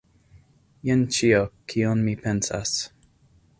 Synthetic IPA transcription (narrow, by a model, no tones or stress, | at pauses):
jɛnt͡ʃiokʰiɔnmipʰɛ̃nsa̰s